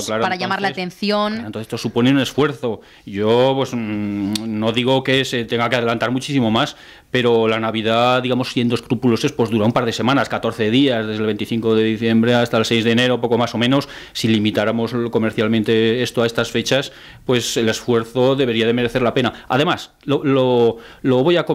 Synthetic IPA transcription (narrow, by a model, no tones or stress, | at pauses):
klaɾoaɾaʎamaɾlat̪enθjonnoθest̪osupo̞neune̞sfwe̞ɾθo̞ | ɟ͡ʝo̞pwes | no̞ðiɣ̞o̞ke̞se̞t̪eŋɡakeaðelant̪aɾmut͡ʃisimo̞mas | pe̞ɾo̞lanaβið̞aðiɣamo̞sθje̞nd̪oskɾupulo̞se̞spwo̞zðuɾaumpaɾðe̞se̞mãnaskat̪o̞ɾθe̞ðiazðe̞zðelβ̞e̞nt̪iθiŋko̞ðe̞ðiθje̞mbɾe̞ast̪aelsejzðeːne̞ɾopo̞ko̞maso̞mẽno̞sːilimit̪aɾamo̞sko̞me̞ɾθjalmẽnt̪e̞e̞st̪oaest̪asfe̞t͡ʃas | pwe̞se̞le̞sfwe̞ɾθo̞ðe̞β̞e̞ɾiaðe̞me̞ɾe̞θelape̞naa̰ðe̞mas | lololo̞βo̞jako